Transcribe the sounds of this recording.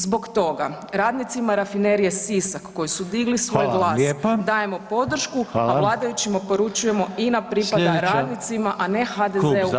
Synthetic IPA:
zbo̞kt̪o̞ɡaɾaːd̪nit̪simaɾafine̞ɾijesisakːo̞jisud̪iɡlisʋoojɡlˠaːed̪aːje̞mo̞po̞d̪ɾ̩ʃkualˠaːd̪ajut͡ɕimapo̞ɾut͡ʃuje̞mo̞inapɾipad̪aɾad̪nit̪simaʔane̞xad̪ezeu

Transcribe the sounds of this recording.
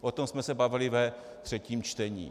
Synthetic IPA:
ʔot̪omsmɛsɛbavɪlɪvɛ | t̪r̝̥ɛciːmt͡ʃt̪ɛɲḭː

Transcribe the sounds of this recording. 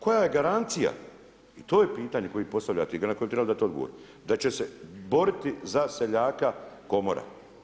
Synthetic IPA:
ko̞jaje̞ɡaɾant̪sija̰ | it̪o̞ːjepiːt̪aːɲeko̞jipo̞st̪avʎa̰t̪einakoebt̪ɾebald̪at̪eod̪ɡo̰o̰ɾim | d̪at͡ɕe̞se̞bo̞ɾit̪izase̞ʎaːkako̞mo̰ɾa̰

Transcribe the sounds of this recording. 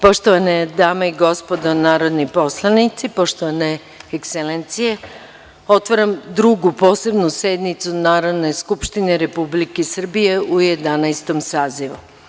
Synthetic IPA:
po̞ʃt̪oʋaned̪aːmaiɡo̞spo̞d̪onaːɾo̞d̪nipo̞slˠanit̪sipo̞ʃt̪oʋane | ekselent̪sije̞ | o̞t̪ʋaɾamd̪ɾuɡupo̞ːse̞bnuse̞d̪nit̪sunaːɾod̪ne̞skupʃt̪ineɾe̞publikesr̩bije̞uje̞d̪anajst̪o̞msaːziʋu

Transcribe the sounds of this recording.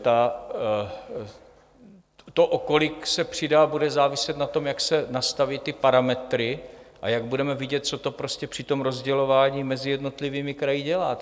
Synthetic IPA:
t̪a | t̪oʔoko̞lɪksɛpr̝̥ɪdabudɛzaːvɪsɛt̪nat̪o̞mjaksɛnast̪avɪt̪ːɪpaɾamɛt̪ɾɪʔa̰jaɡ̚budɛmɛvɪɟɛt̪̚t͡so̞t̪o̞pɾo̞scɛpr̝̥ɪt̪o̞mɾo̞zɟɛlo̞vaːɲiːmɛzɪjɛdno̞t̪lɪviːmɪkɾajɪɟɛlaː

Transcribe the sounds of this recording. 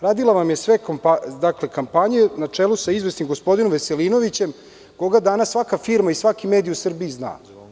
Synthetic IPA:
ɾaːd̪ilˠaʋamjesʋekmpad̪akle̞kampaɲenat͡ʂeːlusaizʋesimɡospo̞d̪inomʋese̞lino̞ʋit͡ɕe̞m | ko̞ɡad̪anasːʋakafiɾmaisʋakime̞ːd̪iusr̩biizna̰ː

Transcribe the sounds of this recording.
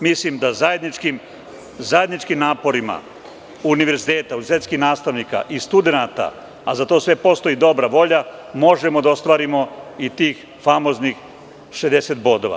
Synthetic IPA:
mislimd̪azajed̪nit͡ʃkim | zaje̞d̪nit͡ʃkimnaːpo̞ɾima̰ | uniʋe̞ɾzit̪e̞ːt̪aunizit̪e̞t̪skixnaːst̪aʋnika̰ʔist̪ud̪e̞nat̪a̰ː | zat̪o̞sʋe̞po̞st̪o̞id̪o̞bɾaʋo̞ʎamo̞ʒe̞mo̞d̪ao̞st̪ʋaːɾimo̞it̪iːx | famo̞znix | ʃezd̪e̞set̪bo̞d̪o̞̰ʋa̰

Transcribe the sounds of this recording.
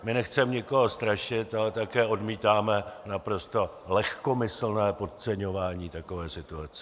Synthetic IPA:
mɪnɛxt͡sɛmɲɪko̞ɦo̞st̪ɾaʃɪt̪alɛt̪akɛːo̞dmiːt̪aːmɛnapɾo̞st̪o̞ | lɛxko̞mɪsl̩nɛːpo̞t̪t͡sɛɲo̞vaːɲiːt̪ako̞vɛːsɪt̪uat͡sɛ

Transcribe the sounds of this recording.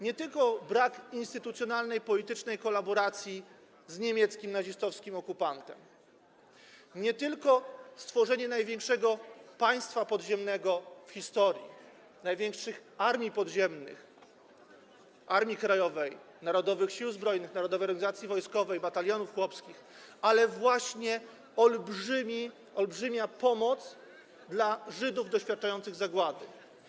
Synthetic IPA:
ɲɛt̪ɘlkɔbɾakinst̪ɘt̪ut̪sʲjɔnalnɛjpɔlʲit̪ɘt͡ʂnɛjkɔlabɔɾat̪sʲji | zɲemʲjɛt̪skʲimnaʑist̪ɔfskʲimɔkupant̪ɛ̰m | ɲɛt̪ɘlkɔst̪fɔʐɛɲɛnajvʲjɛŋkʂɛɡɔpaj̃st̪fapɔd̪ʑɛmnɛɡɔfxʲist̪ɔɾʲjḭ | najvʲjɛŋkʂɘxaɾmʲipɔd̪ʑɛmnɘ̰x | ʔaɾmʲjikɾajɔvɛj | naɾɔd̪ɔvɘxɕiwzbɾɔjnɘxnaɾɔd̪ɔvɛjɔɾɡaɲʲizat̪sʲjivɔjskɔvɛjbat̪alʲjɔnufxwɔpskʲix | alɛvwaɕɲɛ | ɔlbʐɘmʲi | ɔlbʐɘmʲjapɔmɔt̪s | d̪laʐɘd̪uvd̪ɔɕfʲjat̪̚t͡ʂajɔnt̪sɘɣzaɡwad̪ɘ

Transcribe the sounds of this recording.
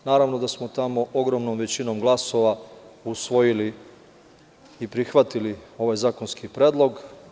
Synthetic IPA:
naːɾaʋno̞d̪asmo̞t̪amo̞ʔo̞ɡɾo̞mnomʋe̞t͡ɕino̞mɡlˠaso̞ʋausʋo̞jili | ipɾixʋat̪ilio̞ʋajzaːko̞nskipɾeːd̪lˠo̞ɡ

